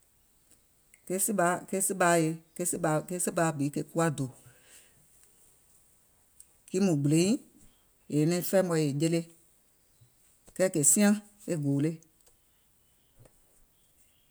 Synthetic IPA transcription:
ke˦si˦ɓa˨˦ke˦sɨ˦ɓa˨˦je˨ke˦sɨ˦ɓa˨˦ke˦sɨ˦baː˨˦bi˨˦ke˨ku˦a˦do˨ | ki˦mũ˨ɡ͡blẽ˨˦ĩ˦ | e˨nĩ˧˨˦fɛ˦mɔ̃˧˨e˨je˧le˦ | kɛː˦˨ke˨sĩ˦ã˦ | e˦ɡoː˨le˦

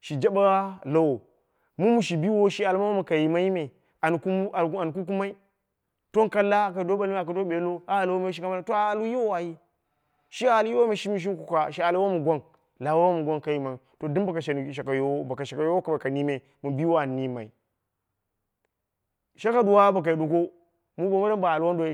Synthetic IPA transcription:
ʃi˨d͡ʒa˦ba˦la˦wo˨ | mu˦mu˨ʃi˨bi˦wo˦ʃi˦a˨lma˦a˦mu˨ka˨ji˨ma˦i˦me˨ | a˨n˨ku˦a˨˦a˨n˨ku˦k̬u˦ma˦i˦ | to˦n˦ka˦la˦ka˨do˦ba˦li˦a˨ka˨do˦be˨˦lo˦a˨a˨lwo˦me˦ʃi˦ka˦ma˦la˦to˦a˨a˨lu˦ji˦wo˦wa˨ji˦ | ʃi˦a˨lji˦wo˦me˨ʃi˦mi˦˨ʃ̬i˦m˦ku˨ka˨ʃi˦a˨lwa˦mu˨ɡʷa˦n | la˨wa˦wa˦mu˨ɡʷa˦nka˨ji˦ma˨i˨to˨di˦ba˨ka˨ʃe˨n˨ʃa˨ka˨jo˨˦o˦ba˨ka˨ʃe˨ka˨jo˦wo˦ka˨ba˨ka˨ni˦me˨ | mu˨bi˦wa˦˨ni˦ma̰˨i˨ | ʃa˦ka˦du˨wa˦ba˨k̬a˨i˨du˨ko˦ | mu˦bo˨ma˦ɾa˦ba˨a˨lu˦wa˦ndo˦

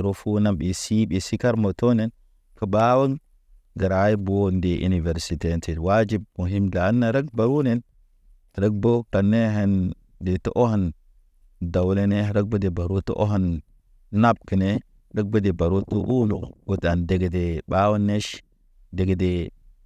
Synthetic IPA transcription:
ɾo˦fu˦na˦mbi˨si˦ɓi˨si˦ka˦ɾmo˨to˦ne˦n | kə˨ba˦wə˦n | ɡa˨ɾa˨ji˦bu˨o˦nde˨ʔṵ˨ni˨ve˨ɾsi˨te˨nti˨wa˦d͡ʒi˦b̚mu˨ɦi˦mda˨˦nːa˨ɾə˦k̚ba˨ɾu˦ne˦n˨ | ɾə˦k̚bo˦ka˨nːe˦ɦe˨n | de˨to˦ʔo˦ha˨n | da˨wle˦ne˦˨ɾə˦ɡ̚bo˦de˨ba˨ɾu˦to̰˦ʔo̰˦ɦa˦n | na˦b̚ki˨ne˦ | ɾə˦ɡ̚bə˦de˨ba˨ɾu˦tu˦ʔu˦lṵ˨ɡo˨ta˨nde˨ɡe˨de˨ba˦wa˦nːe˦ʃ | de˨ɡe˨de˨

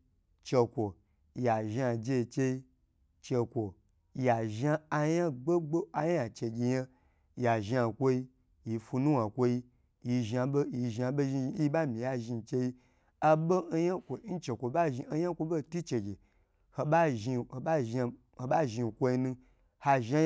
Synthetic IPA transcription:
t͡ʃe˧kʷo˨ | ja˨ʒa˧d͡ʒe˧i˧t͡ʃe˧i˦ | t͡ʃe˧kʷo˨ | ja˨ʒa˧a˧ja˦ɡ͡be˦ɡ͡bo˦a˧ja˨t͡ʃe˨ɡʲi˨ja˦ | ja˨ʒa˧kʷo˧ji˧ | ji˨fu˧nũ˦wa˨kʷo˧ji˧ | ji˧ʒa˧bo˦ji˧ʒa˧bo˦ʒi˧˦i˦ba˦mĩ˨ja˦ʒi˧˨t͡ʃe˧ji˦ | a˧bo˦ja˦kʷo˨˦n̩˦t͡ʃe˨kʷo˨ba˦ʒi˧˦ja˦kʷo˧bo˦˨tu˦t͡ʃe˨ɡʲe˨ | ho˧ba˦ʒi˧˨a˦ʒa˧ | o˧ba˦ʒi˧˨kʷo˧ji˧nũ˧ | ha˧ʒa˦

